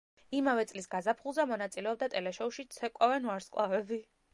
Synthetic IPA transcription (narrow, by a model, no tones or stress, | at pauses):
imavɛt̪sʼlisɡazapʰχulˠzamɔnat̪sʼilɛɔb̚d̪at̪ʼɛlɛʃɔuʃit̪sʰɛkʼavɛnuaɾsqʼlˠavɛbi